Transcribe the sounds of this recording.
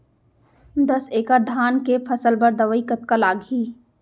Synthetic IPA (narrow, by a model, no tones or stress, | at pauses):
d̪əseːkad̪ʱaːnkepʰɐsəlbəɾd̪ɐʋəikət̪̚kəlaːɡʱiː